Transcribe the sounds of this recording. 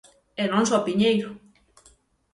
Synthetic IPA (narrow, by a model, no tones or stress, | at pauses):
enonswapiɲejɾo